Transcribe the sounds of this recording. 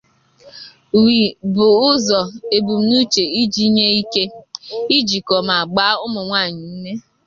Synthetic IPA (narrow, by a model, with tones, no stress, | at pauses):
wi˨bʊ˨ʊ˦zɔ˨e˨bu˨m̩˨nu˦t͡ʃe˨i˦d͡ʒi˦ɲe˦i˦ke˦i˦d͡ʒi˨kɔ˨ma˨a˨ɡ͡ba˦ʊ˦mʊ˨ŋʷa˦˨ɲɪ˨n̩˦ne˦